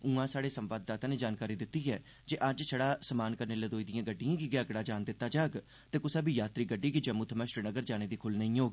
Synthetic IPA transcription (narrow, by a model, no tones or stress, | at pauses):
ũːãːsaːɽeːsəmʋaːd̪̚ːaːt̪ãːneːd͡ʒaːnkaːɾiːd̪ɪt̪ːiːɦɛː | d͡ʒeːʔəd͡ʒt͡ʃʰəɽaːsəmaːnkəɾneːləd̪oːiːd̪ɪjãːɡəɖːijãːkiɡeəɡɽaːd͡ʒaːnd̪ɪt̪ːaːd͡ʒaːɡ | t̪eːkʊsaːbʱiːjaːt̪ɾiːɡəɖːiːkid͡ʒəmut̪ʰəməʃɾənəɡəɾd͡ʒaːñeːd̪iːkʰʊlnəĩːɦoːɡi